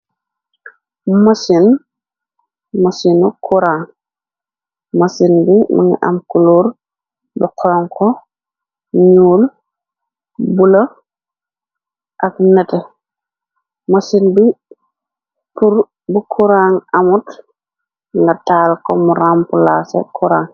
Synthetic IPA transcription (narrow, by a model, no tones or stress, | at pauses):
masin | masinukʰuɾaːŋ | masinbima̰ŋḭʔa̰mkuluːɾ | bɔkʰɔɔŋkɔ | ɲuːl | bulo | ʔaknɛte | masinbi | puɾ | bukʰuɾaŋʔamut | ŋɡataːlkɔmuɾaːmpulaːsḛkʰuɾaːŋ